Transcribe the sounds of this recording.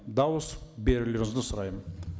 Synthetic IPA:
d̪ɑwəsbeɾɪleɾɪŋɪzd̪ɪsʊɾɑjmən

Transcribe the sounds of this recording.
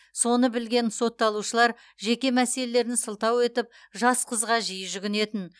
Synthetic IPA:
so̞nəbɪlɡʲe̞nso̞t̪ːɑlˠuʃəlˠɑɾ | ʒe̞kʲe̞mæse̞le̞le̞ɾɪnsəlˠt̪ɑwe̞t̪ɪp̚ | ʒɑsqʰəzʁɑʒijəʒʏɡʲɪne̞t̪ɪn

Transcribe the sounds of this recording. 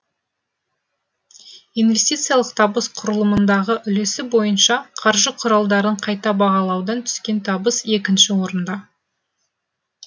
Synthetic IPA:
ijnvʲe̞st̪ijt̪sɨjalˠəqt̪ʰɑbəsqʰʊɾəlˠəmənd̪ɑʁəʔʏle̞sɪbo̞jənʃɑqʰɑɾʒəqʰʊɾɑlˠd̪ɑɾəɴqʰɑjt̪ɑbɑʁɑlˠɑwd̪ɑnt̪ʰʏ̥skʲe̞nt̪ʰɑbəse̞kʲɪnʃɪwo̞ɾənd̪ɑ

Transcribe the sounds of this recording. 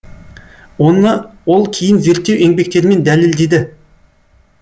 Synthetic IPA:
wonəwo̞lˠkʲʰejɪnze̞ɾt̪ːewe̞ŋbe̞k̚t̪e̞ɾɪme̞nd̪æleld̪e̞d̪ɪ

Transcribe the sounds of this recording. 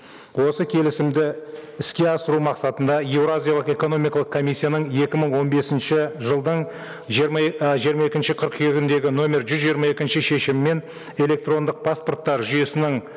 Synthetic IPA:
wo̞səkʲʰe̞lɪsɪmd̪ɪɪskʲe̞ɑsəɾumɑqsɑt̪ənd̪ɑje̞wɾazʲijalˠəqe̞ko̞no̞mijkɑlˠəqkʰomʲisʲːijanəɴe̞kʲɪməɴwo̞nbe̞sɪnʃɪʒəlˠd̪əɴ | ʒijəɾmɑe̞kʲɪnʃɪqʰəɾqɡʲɪnd̪e̞ɡʲɪno̞mʲe̞ɾʒʏzʒijəɾmɑe̞kʲɪnʃɪʃe̞ʃɪmːe̞n | e̞le̞k̚t̪ro̞nd̪əq̚pʰaspo̞rt̪ːɑɾʒʏje̞sɪnɪɴ

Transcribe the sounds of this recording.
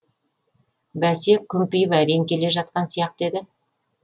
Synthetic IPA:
bæse̞kʲʰːʏmpɪjɪpæɾe̞ŋkʲʰe̞le̞ʒɑt̪̚qɑnsijɑq̚d̪e̞d̪ɪ

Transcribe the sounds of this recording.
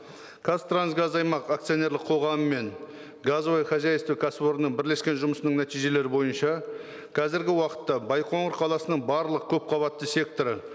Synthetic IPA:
kʰast̪ɾansɡazɑjmɑqak̚t̪sio̞ne̞ɾlɪqʰo̞ʁɑməme̞n | ɡazvojχɑzajest̪ewkʰasboɾənəɴbɪɾle̞skʲe̞nʒʊməsənəɴnæt̪ijʒe̞le̞ɾɪbo̞jənʃɑ | qʰɑzɪɾɡʲɪwɑqə̥t̪ːɑbɑjqʰo̞ɴəɾqʰɑlˠɑsənəɴbɑɾlˠəq̚kʲʰɵp̚qʰɑbɑt̪ːəse̞k̚t̪o̞ɾə

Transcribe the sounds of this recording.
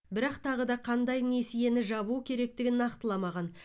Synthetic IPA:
bɪɾɑqt̪ʰɑʁəd̪ɑqʰɑnd̪ɑjne̞sije̞nɪʒɑβukʲʰe̞ɾe̞k̚t̪ɪɡʲɪnːɑqt̪əlˠɑmɑʁɑn

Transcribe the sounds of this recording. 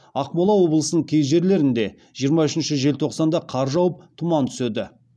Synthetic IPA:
ɑqmolˠɑwo̞blˠəsənəɴkʲʰej̪ʒe̞ɾle̞ɾɪnd̪e̞ | ʒijəɾmɑʏʃɪnʃɪʒe̞lt̪ʰo̞qsɑnd̪ɑqʰɑɾʒɑwəp̚t̪ʰʊmɑnt̪ʰʏ̥sed̪ɪ

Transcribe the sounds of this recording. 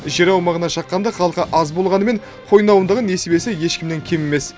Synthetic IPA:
ʒeɾɑwmɑʁənɑʃɑqːɑnd̪ɑχɑlˠəqəʔɑzbo̞lˠʁɑnəme̞ɴ | qʰo̞jnɑwənd̪əʁəne̞sebe̞sɪje̞ʃkʲɪmneŋkʲʰeme̞me̞s

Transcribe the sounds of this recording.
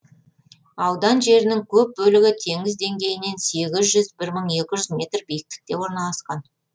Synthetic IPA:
ɑwd̪ɑnʒe̞ɾɪnɪŋkʲʰɵp̚bɵlɪɡʲɪt̪ʰe̞ŋɪzd̪e̞ŋɡʲe̞jɪne̞nse̞ɡʲɪzʒʏzbɪɾməɴe̞kʲɪʒʏzmʲe̞t̪rbijɪk̚t̪ɪ̥k̚t̪e̞wo̞ɾnɑlˠɑsqɑn

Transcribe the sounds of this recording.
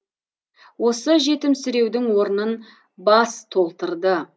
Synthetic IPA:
wo̞səʒe̞t̪ɪmsʏɾe̞wd̪ɪŋwo̞ɾənən | bɑst̪ʰo̞lˠt̪əɾd̪ə

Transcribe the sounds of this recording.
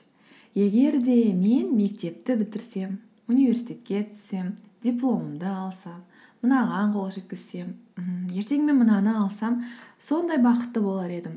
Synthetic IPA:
je̞ɡʲe̞ɾd̪e̞me̞nme̞k̚t̪e̞p̚t̪ɪbɪt̪ɪɾse̞m | unijvʲe̞ɾsijt̪e̞t̪̚kʲe̞t̪ʰʏ̥sːe̞m | d̪ʲijplˠo̞məmd̪əɑlˠsɑmː | ənɑʁɑɴqʰo̞lˠʒe̞t̪̚kʲɪz̥se̞m̩je̞ɾt̪e̞ŋme̞nmənɑnəɑlˠsɑmso̞nd̪ɑjbɑqət̪ːəbo̞lˠɑɾe̞d̪ɪm

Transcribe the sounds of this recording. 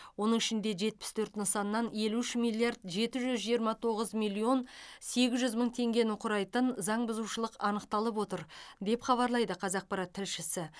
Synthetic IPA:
wo̞nəɴɪʃɪnd̪e̞ʒe̞t̪̚pɪ̥st̪ʰɵɾt̪nəsɑnːɑnje̞luɪʃmijlˠijɑɾd̪ʒe̞t̪ɪʒʏzʒijəɾmɑt̪ʰo̞ʁəzmijlʲˠːio̞nse̞ɡʲɪzʒʏzməɴt̪ʰe̞ŋɡʲe̞nɪqʰʊɾɑjt̪ənzɑɴbʊzuwʃəlˠəqɑnəq̚t̪ɑlˠəp̬wo̞t̪əɾd̪e̞pχɑβɑɾlˠɑjd̪əqʰɑzɑq̚pɑɾɑt̪ʰːɪlʃɪsɪ

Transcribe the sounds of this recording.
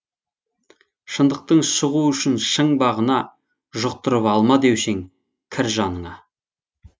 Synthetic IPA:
ʃənd̪əq̚t̪əɴʃʊʁuʏʃɪnʃəɴbɑʁənɑ | ʒʊq̚t̪ʊɾəpɑlˠmɑd̪ewseŋ | kʲʰɪɾʒɑnəɴɑ

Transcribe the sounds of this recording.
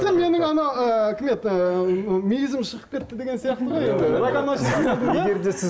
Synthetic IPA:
eme̞nɪŋɑnɑəækʲʰɪmet̪ | mijɪzɪmʃəʁəp̚kʲʰe̞t̪ːɪd̪e̞ɡʲe̞nsijɑqt̪əʁojed̪eeɾɑɡɑnɑsɑt̪ed̪eɾd̪esɪ

